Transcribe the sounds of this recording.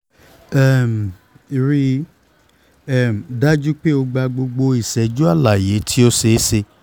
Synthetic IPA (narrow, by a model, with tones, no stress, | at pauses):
ɛ˦˨m˨ | i˨ɾi˧ | ɛ˦˨m̩˨da˦d͡ʒu˦k͡pe˦o˧ɡ͡ba˧ɡ͡bo˧ɡ͡bo˧i˨sɛ˨d͡ʒu˦a˦˨la˨je˨˦tʰi˦o˦se˧˦se˧